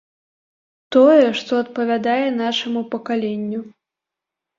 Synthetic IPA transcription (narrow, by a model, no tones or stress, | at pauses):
t̪ɔjɛʂt̪ɔɐt̪̚pɐvʲad̪ajɛn̪aʂɐmupɐkalʲenʲːu